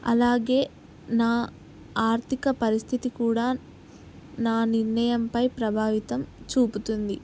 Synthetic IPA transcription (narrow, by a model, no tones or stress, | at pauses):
ɐ̰laːɡe̞ː | naː | aːɾt̪ʰikɐpɐɾist̪ʰit̪ikuːɽaː | naːniɾnɐjɐmpɐjpɾɐbʱaːʋit̪ɐmt͡ʃuːput̪und̪i